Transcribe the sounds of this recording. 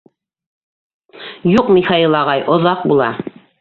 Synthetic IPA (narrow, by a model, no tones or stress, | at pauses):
juqmixailˠɑʁɑjʔŏðɑq̚bulˠɑ̰